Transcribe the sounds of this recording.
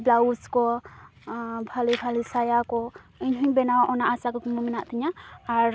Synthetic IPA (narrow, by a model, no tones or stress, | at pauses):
blauskɔ | bʱalibʰʱalisajakɔ | iɲɦuɲbɛnawʔɔnaʔasakɔkmuminaʔt̪iɲaːɾ